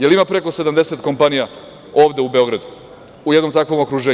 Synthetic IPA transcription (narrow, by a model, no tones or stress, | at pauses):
je̞limapɾe̞ko̞se̞d̪amd̪e̞set̪ko̞mpanija | o̞ːʋd̪e̞ubeo̞ɡɾad̪u | ujed̪no̞mt̪akʋo̞mo̞kɾuʒeː